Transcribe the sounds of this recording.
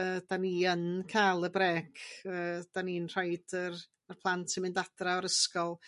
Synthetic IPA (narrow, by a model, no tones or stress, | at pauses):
əd̥aniːənkʰaːlˠəbɾɛːkəːd̥aninr̥ajd̥ər | ərpʰlˠantʰɪmɪndad̥raɔɾəskɔlˠ